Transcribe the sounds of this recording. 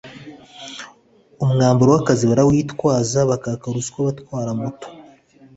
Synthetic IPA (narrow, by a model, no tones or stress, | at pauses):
omuŋaːmbuɾowakaziβaɾawiitwaːzaβakakaɾusi̥kwaβatwaːɾamuto̥